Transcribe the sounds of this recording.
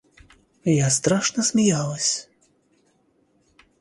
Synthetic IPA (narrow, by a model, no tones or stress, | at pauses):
jast̪ɾaʂnɐsʲmʲijalˠɐsʲ